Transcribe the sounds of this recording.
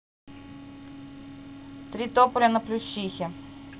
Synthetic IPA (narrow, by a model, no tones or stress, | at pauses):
t̪ɾʲit̪opʊlʲɐnɐplʲʊɕːixʲɪ